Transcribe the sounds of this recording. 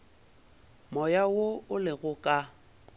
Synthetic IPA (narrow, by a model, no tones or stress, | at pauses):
mɔjawoʊlɪɣʊkʼa